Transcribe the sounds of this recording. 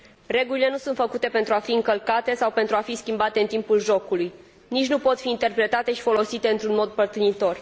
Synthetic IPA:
re̞ɡulile̞nusunt̪fəkut̪e̞pe̞nt̪ɾuafiɨŋkəlkat̪e̞sawpe̞nt̪ɾuafiskʲimbat̪e̞ɨnt̪impulʒo̞kuluj | nit͡ʃʲnupo̞t̪fiːnt̪e̞rpɾe̞t̪at̪e̞ʃi̥fo̞lo̞sit̪e̞ɨnt̪ɾunmo̞d̪pərt̪ɨnit̪o̞r

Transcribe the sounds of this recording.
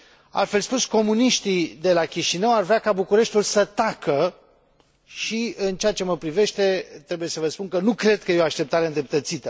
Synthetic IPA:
a̰lt̪fe̞lspusko̞muniʃt̪id̪e̞lakʲiʃinəwarvɾeakabukuɾe̞ʃt̪ʲulsət̪akə | ʃiɨnt͡ʃeat͡ʃe̞məpɾive̞ʃt̪e̞t̪ɾe̞buje̞səvəspunkənukɾe̞d̪̚kəjeoaʃt̪e̞p̚t̪aɾeɨnd̪ɾep̚t̪ət̪sit̪ə

